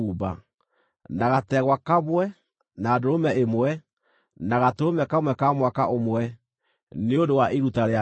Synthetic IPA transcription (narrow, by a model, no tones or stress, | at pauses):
uba̰ | naɣatɛɣwakaβwɛ | naːdoɾomɛʔemwɛ | naɣatoɾomɛkamwɛkamwakaʔomwɛ | neondowaʔiɾutaɾea